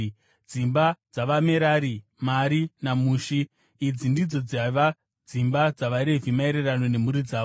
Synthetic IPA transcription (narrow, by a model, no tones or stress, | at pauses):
d͡zimbad͡zaʋame̞ɾaːɾi | maɾinamuːʃiː | d͡zindid͡zo̞d͡zaʋa | d͡zimbad͡zaʋaɾe̞vimaeɾerano̞ne̞muɾid͡zaːo